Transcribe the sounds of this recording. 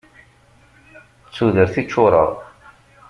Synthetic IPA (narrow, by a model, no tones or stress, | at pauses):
t͡sːuðəɾθit͡ʃːʊɾˤə̰ðˤ